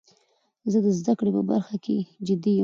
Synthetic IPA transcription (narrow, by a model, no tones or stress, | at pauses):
zəd̪əzd̪akɽepə̰ba̰ɾxakʰḛd͡ʒɪd̪i